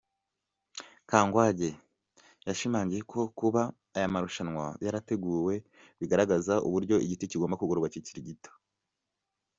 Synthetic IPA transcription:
kaːŋɡwaɟe̞ | jaʃimaːɲɟije̞kʰo̞kuβaː | jamaɾuʃanwajaɾate̞ɡuːwe̞ | βiɡaɾaɡazaʔṵβuɾɟo̞ʔiɟiticiɡo̞ːmbakuɡoɾoɡwaciciɾiɟito̥

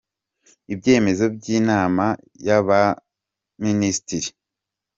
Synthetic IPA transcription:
ibɟe̞ːme̞zo̞b̚ɟiːnaːma | jaβa | ministiɾi

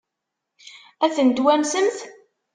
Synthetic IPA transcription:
æθənd̪wænsəmθ

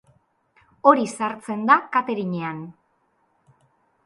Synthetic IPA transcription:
o̞ɾisaɾt͡se̞nd̪akat̪eɾiɲean

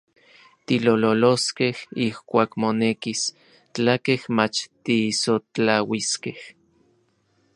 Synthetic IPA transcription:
t̪ilololoskehihkʷaːkmonekis | t͡ɬakehmat͡ʃt̪isot͡ɬawiskeh

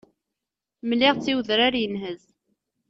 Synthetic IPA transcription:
mlɪʁt͡sːiwðɾaɾjənɦəz

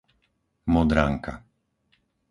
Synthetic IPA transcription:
mɔd̪ɾaŋka̰

